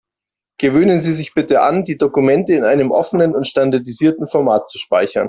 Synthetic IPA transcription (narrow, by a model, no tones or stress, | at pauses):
ɡ̥əvøːnənziːzɪçb̥ɪtəʔa̰ndiːdokumɛntəɪnʔaɪnəmʔɔ̰fənənʊntʃtandaɐdiziːɐtn̩fɔɐmaːt̚t͡su̥ʃpa̰ɪçɐ̰n